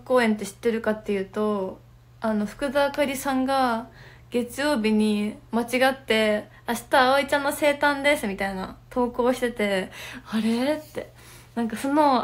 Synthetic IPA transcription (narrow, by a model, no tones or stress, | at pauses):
ko̞ːẽ̞nt̪ːe̞ɕi̥t̪ːe̞ɾɯ̟kat̪ːe̞jɯ̟ːt̪o̞ | ano̞ɸɯ̟̥kɯ̟d̪aːkaɾʲisãŋɡa | ɡ̥e̞t͡sɨjo̞ːbʲiɲ̟imat͡ɕiɡat̪ːe̞ | aɕi̥t̪aːoit͡ɕãnːose̞ːt̪ãnd̪e̞sɨmʲit̪aina̰t̪ʰo̞ːko̞ːɕi̥t̪e̞t̪e̞aɾe̞t̪ːe̞ | nãŋkasono̞